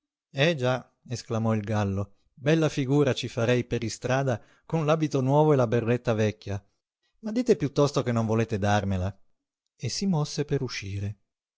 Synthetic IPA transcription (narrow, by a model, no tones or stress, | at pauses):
ɛd͡ʒa | esklamɔilɡalːo | bɛlːafiɡuːɾat͡ʃifaɾɛjpeɾist̪ɾaːd̪a | konlaːbit̪onwɔːvoelaberːet̪ːavɛkʲːja | mad̪ːiːt̪epjut̪ːɔst̪okenːoɱvoleːt̪ed̪armela | esːimɔsːepeɾuʃːiːɾe